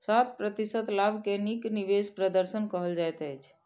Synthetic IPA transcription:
sat̪̚pɾət̪isət̪labʱkenikniʋespɾəd̪əɾsənkəɦəld͡ʒajt̪əjt͡ʃʰ

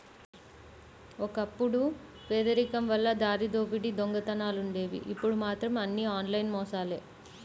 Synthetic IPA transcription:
ɔkɐpːuɽu | ʋeːd̪ɐɾikɐmʋɐlːɐd̪aːɾid̪o̞ːpiʈid̪oŋɡɐt̪ɐnaːluɳɖe̞ːʋḭʔipːuɽumaːt̪ɾɐmɐnːiaːnlɐjnmɔːsaːleː

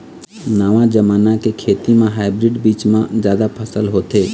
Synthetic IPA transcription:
naːʋãd͡ʒəmaːnakekʰeːt̪imẽɦaːɪbɾɪɖbiːt͡ʃmãzjaːd̪apʰəsəlɦoːt̪eː

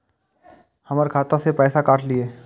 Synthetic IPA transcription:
hɐməɾkʰaːt̪ãsepɛːsakaːʈʰlieː

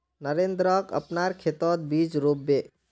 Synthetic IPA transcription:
nəɾend̪ɾəkə̰pnaɾkʰet̪ɔt̪̚bid͡ʒɾobːe

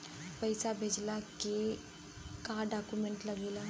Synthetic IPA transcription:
pəɪsabʱeːd͡ʒlaːke | kaːɖaːkumẽɳʈləɡeːlaː

